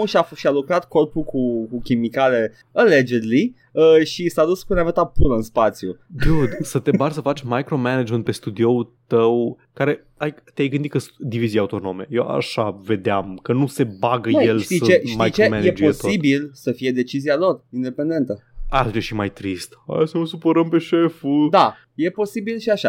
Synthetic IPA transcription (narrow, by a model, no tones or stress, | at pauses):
ʃiafʃialukɾat̪ko̞rpukukukʲimikale̞ | ale̞d͡ʒeɾilij | əʃisad̪uspuneavət̪apuɾəɨnspat̪sjuɡ̪ud̪sət̪ebarsəfat͡ʃʲmajkɾo̞menad͡ʒmenpe̞st̪ud̪io̞ut̪əw | kaɾe̞ | ajt̪eajɡɨnd̪it̪ksd̪ivizijaut̪o̞no̞me̞jewʔa̰ʃave̞d̪eamkənuse̞baɡəjellʃt̪it͡ʃeʃmajikt͡ʃeomenjed͡ʒo̞soibilsəfije̞d̪e̞t͡ʃizialo̞rind̪e̞pend̪e̞nt̪əad̪ut͡ʃeʃimajt̪ɾist̪a̰sənusupoɾəmpe̞ʃefud̪a | je̞po̞sibilʃiaʃa